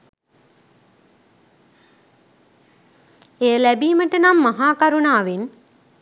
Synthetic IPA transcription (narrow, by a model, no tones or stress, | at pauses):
ejəlæbiːməʈənamːaɦaːkaɾunaːʋen